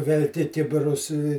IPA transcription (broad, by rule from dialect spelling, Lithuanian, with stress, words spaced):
ʋʲɛlʲˈkʲɪ ˈkʲɪbʲɪrʊs ɪ